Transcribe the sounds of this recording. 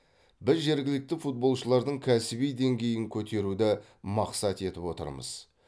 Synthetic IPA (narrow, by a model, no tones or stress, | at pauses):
bɪzʒe̞ɾɡʲɪlɪk̚t̪ɪfut̪̚bo̞lˠʃəlˠɑɾd̪əɴkʲʰæsɪbijd̪e̞ŋɡʲe̞jɪŋkʲʰɵt̪e̞ɾud̪ɪ | mɑqsɑt̪e̞t̪ɪpwo̞t̪ə̰ɾmə̰z̥